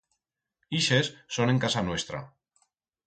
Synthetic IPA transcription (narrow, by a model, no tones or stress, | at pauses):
iʃesːone̞ŋkasanwe̞st̪ɾa̰